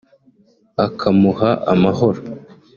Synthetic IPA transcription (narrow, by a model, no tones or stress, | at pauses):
akʰamuhaʔa̰maho̞ɾo